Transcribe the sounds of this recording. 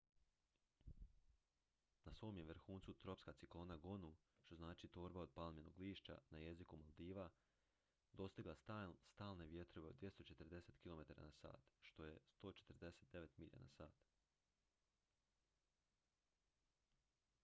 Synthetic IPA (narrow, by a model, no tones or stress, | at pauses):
nasʋo̞ːmjeʋɾxuːnsut̪ɾo̞pskat̪siklˠo̞ːnaɡonu | ʃt̪o̞znaːt͡ʃit̪o̞ːɾbao̞d̪̚palmjeno̰ɡliːʃt͡ʃa̰naje̞zikumalˠd̪iːʋa | d̪o̞st̪iɡlˠaast̪aːlˠne̞ʋje̞t̪ɾo̞ʋe̞od̪ʋje̞st̪o̞t͡ʃe̞t̪əɾd̪e̞set̪kilˠo̞me̞t̪aɾa̰nasa̰ːt̪ʃt̪o̞je̞st̪o̞ːt͡ʃet̪əɾd̪e̞se̞t̪d̪e̞ʋe̞t̪miʎa̰na̰saːt̪